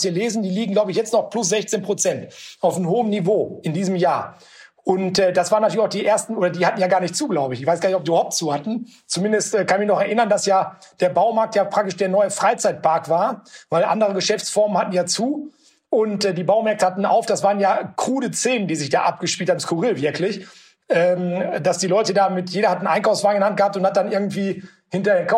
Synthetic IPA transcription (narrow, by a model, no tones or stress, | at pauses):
siːɐleːzn̩diːliːɡŋ̩ɡlaʊbəɪçjɛt͡stnɔχplʊs̬z̥ɛçt͡seːnpʁ̥ot͡sɛntʔaʊfnəmhoːəmnivoːʔɪndiːzəmjaːɐ | ʔʊntɛːdasv̥aːʁənatʰylçaʊd̥iːʔeːɐstn̩ʔoːɾɐdiːhatn̩jaːɡaːɐnɪçtt͡suːɡlaʊbəɪçɪçv̥aɪsɡ̥aɐnɪçɔp̚ziːbahaʊp̚tt͡suːhatn̩ | t͡sumɪndəstʔɛːkʰanɪçmɪçnɔχɛɐʔɪnɐndasjaː | d̥eːɐbaʊmaɐk̚tjaːpʁ̥ak̚tɪʃd̥eːɐnɔʏəfʁ̥aɪt͡saɪt̚pʰaɐkv̥aːɐvaɪlʔa̰ndəʁəɡəʃɛft͡sfɔɐmənhatn̩jaːt͡suː | ʔʊntɛːdiːbaʊmɛɐk̚təhatn̩ʔa̰ʊfd̥asv̥aːʁənjaːkʁ̥uːdət͡seːnəndiːzɪçd̥a̰ːʔap̚ɡ̥əʃpiltʰaːmskʊʁɪlvɪɐklɪç | ʔɛːmd̥asd̥iːlɔʏtədaːmɪtjeːɾɐhatn̩ʔaɪnkaʊfsv̥aːɡŋ̩ɪnhantɡ̥əhaːp̚tʊnthat̚d̥anʔɪɐɡŋ̩tv̥iː | hɪntɐdeːɐkʰa